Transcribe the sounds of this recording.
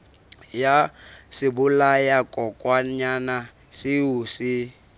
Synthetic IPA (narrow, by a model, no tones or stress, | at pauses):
jasɪbʊlajakʼɔkʼwaɲana | siusɪ